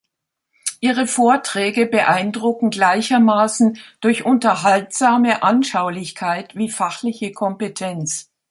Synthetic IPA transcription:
ʔiːʁ̞əfoːɐtʁ̥ɛːɡəbəʔaɪndʁʊkŋ̩ɡlaɪçɐmaːsn̩d̥ʊɐçʔʊntɐɦaltz̥aːməʔanʃaʊlɪçkʰaɪtv̥iːfaχlɪçəkʰɔmpetʰɛnt͡s

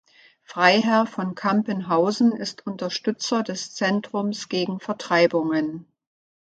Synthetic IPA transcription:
fʁ̥aɪɦɛɐfɔnkʰampənɦaʊzn̩ɪstʰʊntɐʃtʏt͡sɐdɛst͡sɛntʁ̥ʊmsɡ̥eːɡŋ̩fɛɐtʁ̥aɪbʊŋən

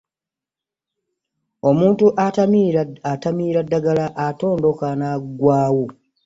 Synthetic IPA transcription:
omuːntuʔa | atamiːɾadːaɡalaʔato̞ːndo̞kanaɡwaːwu

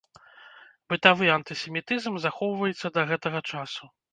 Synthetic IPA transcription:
bɨt̪avɨɐnt̪ɨsʲɛmʲit̪ɨzmzaxɔwvɐjɛt̪sːɐd̪ɐɣɛt̪ɐɣɐt͡ʂasu

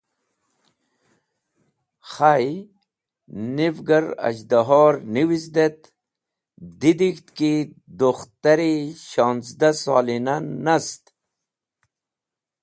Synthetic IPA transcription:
χaj | nivɡaɾɐ̰d͡ʑd̪aɦɔːɾniwisd̪et̪ | d̪id̪ikt̪ki | d̪oxt̪aɾiɕɑːnt͡sd̪asɑ̰ːlinanast̪

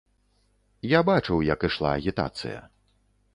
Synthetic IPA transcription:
jabat͡ʂɨwjɐkɨʂlˠa̰ːɣʲit̪a̰t̪sɨ̰jɐ̰

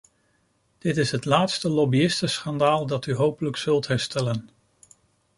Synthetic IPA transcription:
d̥ɪtɪsɦətlaːtstəlɔbiɪstəsχɑndaːlˠdɑtyɦowpələksɵlˠtɦɛɹstɛlən

